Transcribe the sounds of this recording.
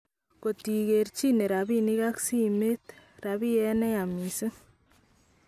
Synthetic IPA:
ko˨ti˨ɣe˨ɾt͡ʃi˦ne˨ɾa˨βi˦ni˦ɣa˦ksi˦me˦t̪ | raβi˦jɛ˦ne˦ja˨mi˨se˦

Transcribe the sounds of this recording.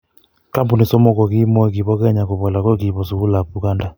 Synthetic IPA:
ka˦mpu˨ni˨sɔ˦mɔ˦˨kɔ˨ki˦mwɔ˦ɛ˨k̬i˨βɔ˦kɛ˦ɲa˨ko˨βɔ˨la˨kwɔ˦k̬i˨βɔ˨su˨u˦la˨pu˨ka˦nda˨

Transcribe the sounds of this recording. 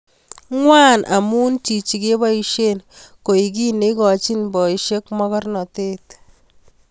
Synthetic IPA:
ŋwa˦nʔa̰˨mu˦nt͡ʃi˨t͡ʃi˨ke˦ba˦i˨ʃe˦nko˨i˨k̬i˦ne˦kɔ˨t͡ʃi˦nbɔ˨i˨ʃe˦kmɔ˦kɔ˦rnɔ˨te˦t

